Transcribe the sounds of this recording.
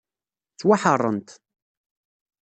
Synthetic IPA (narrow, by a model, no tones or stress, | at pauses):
t͡sːwaħərˤːənt̪